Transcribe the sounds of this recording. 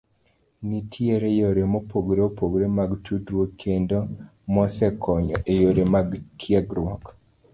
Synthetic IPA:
nitʰjeɾejoɾemopʰoɡɾeopoɡɾemaɡtʰudɾwokʰendomɔsɛkʰɔɲɔʔejoɾemaɡkʰjaɡɾwɔk

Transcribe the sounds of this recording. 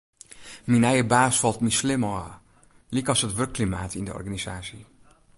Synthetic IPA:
minɛjəbaːsfɑlˠtnislɪmɔ | likɑsətʋøkːlima̰ːtʰɪndə̰ɔ̰rɣaniz̥aːsi

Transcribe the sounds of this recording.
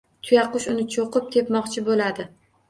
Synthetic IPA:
t̪ʰʊjaqʊʃʊnɪt͡ʃʰoqɨp̚t̪ʰe̞pmɒqt͡ʃʰɪbolad̪ɪ

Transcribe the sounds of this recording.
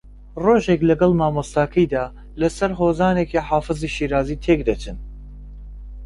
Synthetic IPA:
roːʒeklɐɡɐlˠmaːmɐst̪aːkʰɐjd̪aː | lɐsɐɾɦoːzaːnekiħaːfɨziʃiːɾaːziːt̪ʰeːkd̪ɐt͡ʃʰɨn

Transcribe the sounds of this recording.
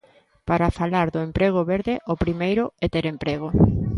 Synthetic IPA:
paɾafalaɾðʊempɾeɣʊβeɾðɪʔopɾimejɾʊɛt̪eɾempɾeɣ̞ʊ

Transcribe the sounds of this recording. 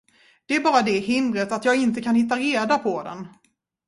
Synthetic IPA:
d̪̥ɛæɾbɑːɾad̪ɛɦɪnd̪ɾət̪at̪jɑːɡɪnt̪əkʰanhɪt̪̬ːaɾeːd̪apʰɔd̪ɛ̰n

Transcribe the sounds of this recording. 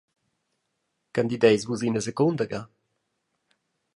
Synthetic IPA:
kand̪id̪ejzvuzinəsɛkɔ̃nd̪əɡa

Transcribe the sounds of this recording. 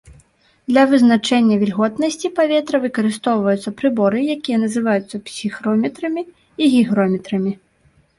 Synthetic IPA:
d̪lʲɐvɨznat͡ʂɛnʲːɐvʲilʲɣɔt̪nɐsʲt͡sʲipavʲɛt̪ɾɐvɨkɐɾɨst̪ɔwvɐjut̪sɐpɾɨbɔɾɨjakʲijɐnɐzɨvajut̪sːɐpsʲixɾɔmʲɛt̪ɾɐmʲi | iɣʲiɣɾɔmʲɛt̪ɾɐmʲi

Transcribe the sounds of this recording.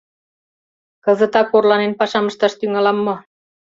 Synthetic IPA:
kəzə̆t̪ɑkorlɑnenpɑʃɑmə̆ʃt̪ɑʃt̪yŋɑlɑmːɤ̆

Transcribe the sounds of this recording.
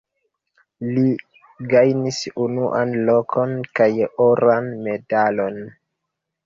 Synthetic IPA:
li | ɡajnisunuʔanlokʰo̞nkajoɾanme̞dalo̞n

